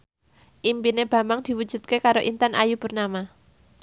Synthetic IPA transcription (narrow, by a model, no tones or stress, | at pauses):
ʔimpineb̥ä̤mbaŋd̪̥i̤wud̥ʒ̥ṳd̪̥̚kekaɾoʔint̪anʔa̰jub̥ṳrnama